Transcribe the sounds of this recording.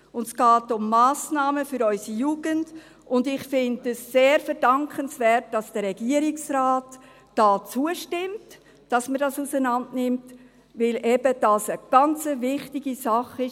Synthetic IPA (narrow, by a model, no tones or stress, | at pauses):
ʊndsɡ̥ɑːtʊmːaːsnɑːməfʏɾɔʏsijuːɡ̥ənd | ʊndɪχfɪndəsːeːɾfəɾdɑŋkχənsvɛːt̚d̥ɑsd̥əɾɛɡ̥iəɾɪksɾaːt | d̥ɑːt͡suəʃtɪmt | d̥ɑsmədɑsusənɑndnɪmt | vɪlʔɛb̥əd̥ɑːsəɡ̥ɑnt͡səvɪχtɪɡisɑχɪ